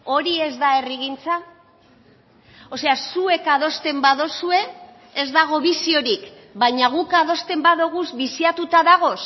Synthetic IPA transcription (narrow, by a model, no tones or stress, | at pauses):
o̞ɾie̞zd̪ae̞riɣint͡sa | o̞se̞asue̞kað̞o̞st̪e̞mbaðosue̞ː | zd̪aɣ̞o̞βisio̞ɾik | baɲaɣ̞ukað̞o̞st̪e̞mbaðoɣ̞uzβisiat̪ut̪aðaɣ̞o̞s